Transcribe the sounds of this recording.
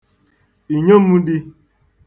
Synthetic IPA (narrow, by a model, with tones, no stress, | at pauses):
i˨ɲo˦mu˦di˦